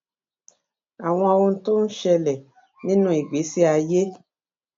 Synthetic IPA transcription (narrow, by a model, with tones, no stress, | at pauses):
a˨w̃ɔ̃˧a˧wo˧n̩˦to˦n̩˦ʃɛ˧lɛ˨ | nĩ˦nũ˦i˨ɡ͡be˨˦si˦a˧je˦